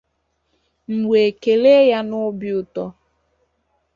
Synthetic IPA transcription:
m̩˨we˨ke˨le˦ja˦nʊ˦bi˦ʊ˨tɔ˦

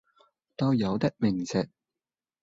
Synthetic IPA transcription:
t̪ɐ˧wjɐ˨˧wt̪ɪ˥k̚mɪ˨˩ŋsɪ˨k̚

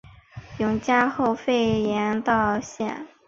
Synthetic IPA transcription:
jʊ˧˥ŋt͡ɕja˥xo˥˧ʊfe˥˩ɪjɛ˧˥nt̪ɑ˥˧ʊɕjɛ̰˥˩n

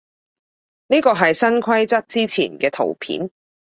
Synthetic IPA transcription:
niː˥kɔː˧ɦɐ˨jsɐ˥nkʰɐ˥jt͡sɐ˥t̚t͡siː˥t͡sʰḭː˨˩nkɛː˧t̪ʰo̰˨˩wpʰḭː˨˥n

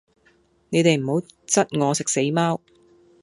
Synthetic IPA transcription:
ne˨˧jt̪e˨jm̩˨˩ho˨˥wt͡sɐ˥t̚ŋɔː˨˧sɪ˨k̚se˨˥jmaː˥w

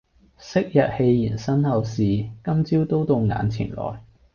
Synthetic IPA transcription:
sɪ˥k̚jɐ˨t̚he˧jːiː˨˩nsɐ˥nhɐ˨˧wsiː˨kɐ˥mt͡siː˥wt̪o˥wt̪o˧wŋa̰ː˨˧nt͡sʰɪ̰˨˩ŋlɔ̰ː˨˩j

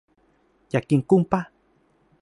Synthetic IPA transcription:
ja˨ki˨ku˧mpa˦

